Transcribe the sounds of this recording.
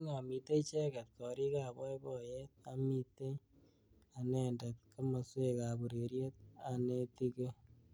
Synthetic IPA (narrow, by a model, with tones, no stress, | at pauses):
ŋa˨mi˨te˦t͡ʃɛ˦ka˨t̚kɔ˨ɾi˦ka˨bɔ˦jbɔ˦je˦ta˦mi˦te˦j | a˨nɛ˨nda˨t̚ke˦ma˨swe˦ka˨bu˨ɾe˨ɾje˦t̚a˨ne˦ti˦ke˦